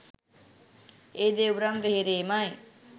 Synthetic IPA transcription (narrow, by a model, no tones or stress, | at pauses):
ed̪ewɾʌmbʱeɾemaj̃